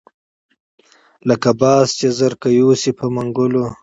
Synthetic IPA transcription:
ləkabɑːst͡ʃezaɾkajuːsipʰəmaŋɡʊlo

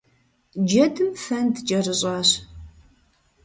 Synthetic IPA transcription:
d͡ʒɐdʰɨmfɐndt͡ʃʼɐrɨɕʼɑːɕ

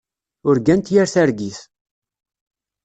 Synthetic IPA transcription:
ʊɾɡænt̪jaɾθaɾɡiθ

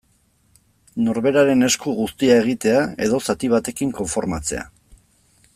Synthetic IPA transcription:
no̞ɾβe̞ɾaɾe̞ne̞skuɣust̪iae̞ɣ̞it̪e̞ae̞ðo̞sat̪iβ̞at̪e̞kiŋko̞ɱfo̞ɾmat͡se̞̰a̰

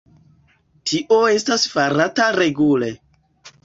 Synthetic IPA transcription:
tʰiʔo̞e̞stasfaɾataɾe̞ɡule̞

